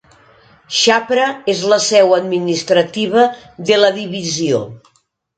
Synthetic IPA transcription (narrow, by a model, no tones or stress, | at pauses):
ʃapɾəezləsɛwəd̪minist̪ɾət̪iβ̞əðeləðiβizio